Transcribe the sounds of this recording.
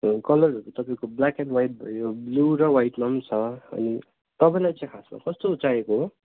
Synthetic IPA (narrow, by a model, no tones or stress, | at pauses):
kʌlʌrʌɾut̪ʌpaĩkoblakenɖwajʈ̚bʱʌ̰jobluɾʌwajʈmʌmt͡sʰʌʌ̰ni | t̪ʌpaj̃lajt͡sʌj̃kʰasma̰kʌst̪out͡saekoɦo